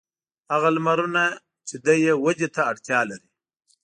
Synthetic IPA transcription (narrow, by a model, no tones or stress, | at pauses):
haɣalmaɾuna | t͡ʃed̪ajewad͡ʒet̪aːɽt̪jɑlaɾi